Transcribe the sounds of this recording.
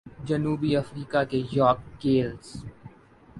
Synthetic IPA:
d͡ʒɐnuːbiɐfɾiːkakejɔːkːeːlz

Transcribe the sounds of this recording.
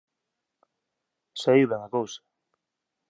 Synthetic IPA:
saiwβaŋakowsḁ

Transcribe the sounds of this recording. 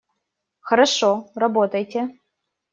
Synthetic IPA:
xɐɾɐʂorɐbot̪ɐjtʲʰe

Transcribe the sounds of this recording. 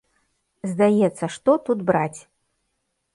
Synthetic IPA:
zd̪ajɛt̪sːɐʂt̪ɔt̪ud̪bɾat͡sʲ

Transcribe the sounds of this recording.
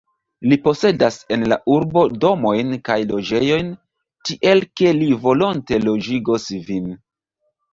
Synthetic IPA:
lipo̞se̞dase̞nlaʔuɾbo̞do̞mo̞jnkajlo̞d͡ʒe̞jo̞jn | tiʔe̞lke̞livo̞lonte̞lo̞d͡ʒiɡosvin

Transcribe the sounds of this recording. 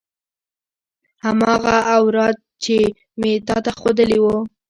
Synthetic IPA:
hamɑɣaːwɾɑd̪̚t͡ʃe | met̪ɑt̪axod̪əliwo

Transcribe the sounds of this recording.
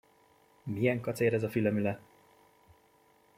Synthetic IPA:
miɛŋkɒt̪seːɾɛzɒfilɛmylɛ

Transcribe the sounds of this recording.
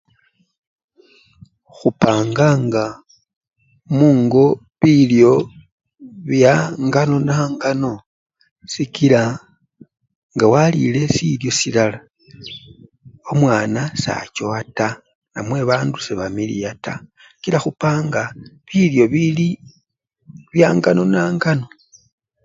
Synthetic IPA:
xupaːŋɡaŋɡa | muːŋɡo̞ | βiljo̞ | βjaŋɡano̞naŋɡano̞ | sikila | ŋɡawalḭle̞siljo̞silala | o̞mwaːnasa̰coata | namwe̞βaːnduseβamilḭjatʰa̰ | skilaxupaːŋɡaβiljo̞βili | βjaːŋɡano̞naːŋɡano̞

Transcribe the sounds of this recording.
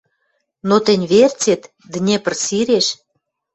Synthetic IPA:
not̪ə̆nʲβert͡set̪ | d̪ɘ̆nʲepə̆rsiɾeʃ

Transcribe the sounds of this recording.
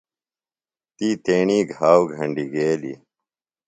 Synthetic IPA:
t̪iːt̪eːɳiːɡʱaːwɡʱɐɳɖiɡeːlḭ

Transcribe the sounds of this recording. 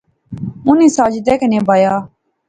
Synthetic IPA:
ʊnĩːsaːd͡ʒd̪eːkənẽːbaːjaː

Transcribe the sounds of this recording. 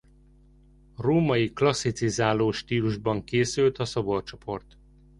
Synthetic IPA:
roːmɒjiklɒsːit̪sizaːloːʃt̪iːluʒbɒŋkeːsylt̪ɒsobort͡ʃo̞pʰo̞rt̪

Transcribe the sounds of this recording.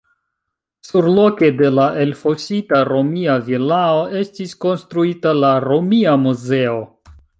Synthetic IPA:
suɾlo̞ke̞de̞laʔelfo̞sitaɾo̞miavilaoʔe̞stiskonstɾuitalaɾomiamuze̞o̞

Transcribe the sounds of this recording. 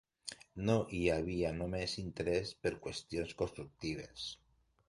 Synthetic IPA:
noʔiaβianomesint̪eɾespeɾkwest̪jonskost̪ɾuk̚t̪iβ̞es

